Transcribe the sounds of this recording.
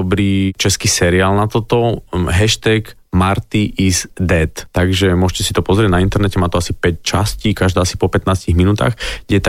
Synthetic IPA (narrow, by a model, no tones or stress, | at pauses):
ɔbɾiːt͡ʃɛskiːsɛɾiaːlnat̪ɔt̪ɔɦɛʃt̪ɛɡ | maɾt̪iʔizd̪ɛt̪ːaɡʒɛmʊɔʒcɛsit̪ɔpɔzɾɛɟnaint̪ɛɾnɛcɛmaːt̪ɔasipɛct͡ʃasciːkaʒd̪aːasi̥pɔpɛt̪naːsciɣminuːt̪a̰ːxɡɡɟɛt̪